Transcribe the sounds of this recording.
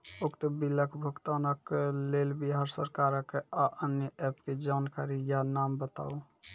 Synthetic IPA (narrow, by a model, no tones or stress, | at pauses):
okt̪əbiləkʰbʱukt̪anəkːelelbiɦaɾsəɾkaɾəkːeaʔənjəʔɛpked͡ʒankaɾijanambət̪a̰u